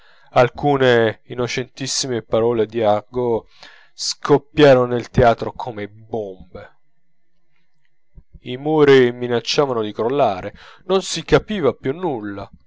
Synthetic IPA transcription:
alkuːneinːot͡ʃɛnt̪isːimepaɾɔːled̪iarɡo | skʰopːjaːɾononelt̪eaːt̪ɾokʰomebombe | imoːɾiminat͡ʃːaːvanod̪ikɾolːaːɾenonsikapiːvapjunːulːa

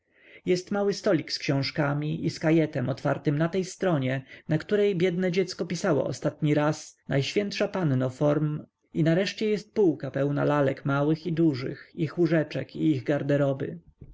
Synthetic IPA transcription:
jɛst̪mawɘst̪ɔlʲikskɕɔ̃w̃ʂkamʲiʔiskajɛt̪ɛmɔt̪faɾt̪ɘmnat̪ɛjst̪ɾɔɲɛnakt̪uɾɛjbʲjɛd̪nɛd͡ʑɛt̪skɔpʲisawɔ̰ɔ̰st̪at̪ɲiɾasnajɕfʲjɛnt̪ʂapannɔfɔɾm | inaɾɛʂt͡ɕɛjɛst̪̚puwkapɛwna̰lalɛkmawɘxid̪uʐɘ̰xixuʐɛt͡ʂɛkiiɣɡaɾd̪ɛɾɔbɘ̰

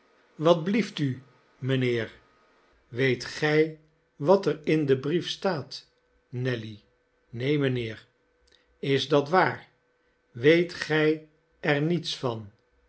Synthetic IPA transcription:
ʋɑd̚blifty | məneːɹ | ʋejtχɛj | ʋɑtəɹɪndəbrifstaːt | nɛli | nejmənɪːɹ | ɪzdɑtʋaːɹ | ʋejtχɛj | ɛɹnitsfɑn

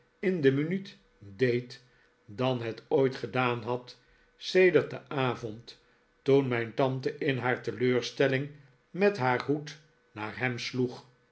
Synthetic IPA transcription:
ɪndəmynyt | dejt | dɑnɦɛtojtχədaːnɦɑt | sejdəɹt̚dəʔaːvɔnt | tunmɛjntɑntəʔɪnɦaːɹtəløːɹstɛlɪŋ | mɛtɦaːɹɦut | naːɹɦɛmsluχ

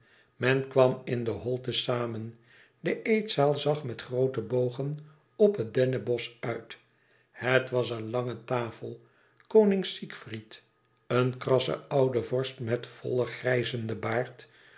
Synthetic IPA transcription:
mɛnkʋɑmɪndəɦɔlˠtəsaːmən | dəʔejtsaːlˠzɑχmɛtχrowtəbowχən | ɔpɦədɛnəbɔsœɥt | hətʋɑs̬ənlɑŋətaːfəlˠ | kownɪŋsikfrit | ənkrɑsə̰ɑwdəvɔɹstmɛtfɔ̰lˠəχrɛjzəndəbaːɹt

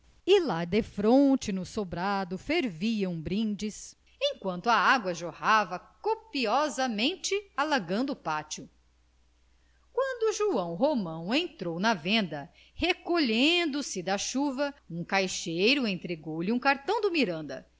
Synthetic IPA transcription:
ilad̪efɾõt͡ʃɪnʊsobɾad̪ʊfeɾviɐ̃w̃bɾĩd͡ʒis | ẽj̃kwɐ̃nt̪ʊɐaɡwɐʒohavɐkopiɔzɐmẽnt͡ʃɪalaɡɐ̃nd̪ʊːpat͡ʃʊ | kwɐ̃nd̪ʊʒuɐ̃w̃ɦomɐ̃w̃ẽt̪ɾownɐvẽnd̪ɐ | hekoʎẽnd̪ʊsɪd̪ɐʃuvɐũkajʃejɾʊẽnt̪ɾeɡowliũkaɾt̪ɐ̃w̃d̪ʊmiɾɐ̃nd̪ɐ̰

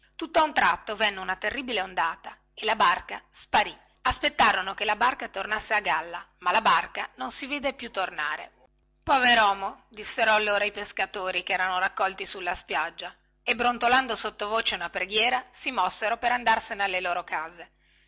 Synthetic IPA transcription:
t̪ut̪ːoaunt̪ɾat̪ːovɛnːeunat̪erːibileond̪aːt̪a | elabarkaspaɾi | aspet̪ːaːɾonokelabarkat̪ornasːeaɡalːa | malabarkanonsiviːd̪epjut̪ːornaːɾḛ | pɔveɾɔːmod̪isːeɾɔalːoːɾaipeskat̪oːɾikɛːɾanoɾakːɔlt̪isulːaspjad͡ʒːa | ebɾont̪oland̪osot̪ːovoːt͡ʃeunapɾeɡjɛːɾasimɔsːeɾopeɾand̪arsenealːeloːɾokaːze

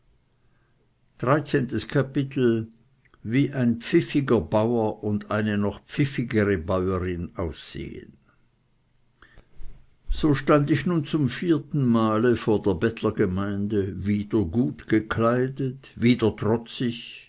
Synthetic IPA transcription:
d̥ʁaɪt͡seːntəskʰapɪtl̩ | viːʔaɪnpp͡fɪfɪɡɐbaʊɐʔʊnda̰ɪnənɔχpp͡fɪfɪɡəʁəbaʊəʁɪnaʊsz̥ḛːə̰n | z̥oːʃtandɪçnuːnt͡sʊmfiːɐtn̩maːləfoːɐdeːɐbɛtʰlɐɡəmaɪndəviːdɐɡuːtɡ̥əkʰlaɪdətviːdɐtʁ̥ɔt͡sɪç

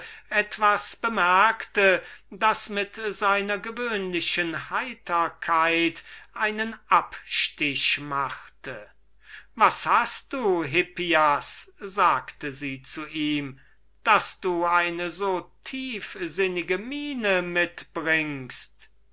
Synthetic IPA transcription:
ʔɛtv̥asb̥əmɛɐktədasmɪtz̥aɪnɐɡəvøːnlɪɕənhaɪtʰɐkʰaɪtʔaɪnənʔapʃtɪʃmaxtə | vashast̚d̥uːɦɪpiaszaːktəziːt͡suʔiːm | d̥asd̥uːaɪnəzoːtʰiːfzɪnɪɡəmiːnəmɪtb̥ʁɪŋst

